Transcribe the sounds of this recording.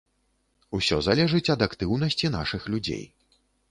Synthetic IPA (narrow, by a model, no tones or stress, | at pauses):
usʲɔzalʲɛʐɨt͡sʲɐd̪akt̪ɨwnɐsʲt͡sʲin̪aʂɨxlʲud͡zʲḛj